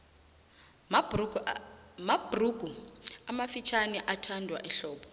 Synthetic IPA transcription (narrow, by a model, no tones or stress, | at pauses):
mab̥ruɡ̥ʱuamafit͡ʃʰanɛʔatʰandʱwa̰ʔɛɬɔːɓɔ